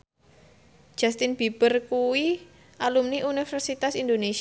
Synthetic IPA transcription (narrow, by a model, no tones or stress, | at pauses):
ʒ̥a̤st̪ɪnb̥ib̥ərkuwi | ʔalumniʔunifɛrsit̪asind̪ones